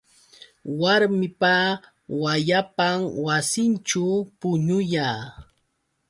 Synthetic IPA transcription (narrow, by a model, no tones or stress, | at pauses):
waɾmɪpa | wajapamwasɪnt͡ʃʊpʊɲʊjaː